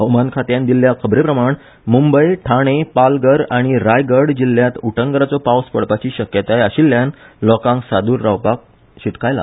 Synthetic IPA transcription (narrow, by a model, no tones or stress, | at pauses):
əwmankʰat̪jãnd̪iljakʰəbɾepɾəmaɳ | mumbəjʈʰaɽ̃epalɡəɾaɽ̃iɾajɡəɽd͡ʑilːjat̪uʈʰəŋɡɾat͡sɔpawspəɽpat͡ɕiːɕəkjət̪ajaɕilːjanlɔkãŋksad̪uːɾːawpak̚ | ɕiʈkajla̰